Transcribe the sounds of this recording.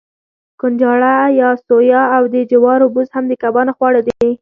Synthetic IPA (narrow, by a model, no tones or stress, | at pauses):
kʊnd͡ʒɑɽajɑsojɑawd̪əd͡ʒɪwɑɾobuzhamd̪əkabɑnaxwɑɽad̪e